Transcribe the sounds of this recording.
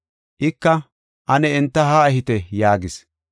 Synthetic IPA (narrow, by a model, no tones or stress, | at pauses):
ʔɪkːɐ | ʔɐnɛɛnt̪ːɐɦaɛɦɪt̪ɛjaːɡɪs